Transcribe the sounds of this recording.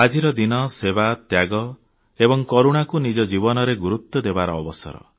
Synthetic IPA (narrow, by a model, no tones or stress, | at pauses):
ad͡ʒiɾɔd̪inɔsebat̪jaɡɔ | ebɔŋkɔɾuɽ̃akunid͡ʒɔd͡ʒibɔnɔɾeɡuɾut̪ːɔd̪ebaɾɔːbɔsɔ̰ɾɔ̰